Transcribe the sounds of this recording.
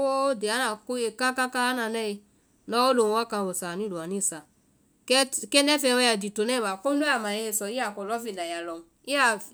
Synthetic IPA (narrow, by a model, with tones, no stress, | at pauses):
wo˦de˨a˦na˨ko˦e˨ka˦ka˦kaː˦na˧nɛ˦e˧ | nɔ˦o˦lo˨˦a˦ka˧˨o˨sa˨ni˦lu˨a˨ni˦˨sa˨ | kɛ˦kɛ˦nɛ˦fɛ˧˦wɛ˧ja˨di˨to˨nɛ˦ba˨ko˦o˦a˨ma˨je˧˦e˧sɔ˨i˦a˨kɔ˨lɔ˦fi˦˨la˨ja˨lɔ˨n˨ | i˦a˨